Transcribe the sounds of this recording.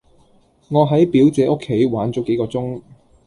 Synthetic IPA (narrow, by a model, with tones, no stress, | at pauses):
ŋɔː˨˧ɦɐ˨˥jpiː˨˥wt͡sɛː˨˥ʔʊ˥kʰːe˨˥jwaː˨˥nt͡sɔ˨˥ke˨˥jkɔː˧t͡sʊ˥ŋ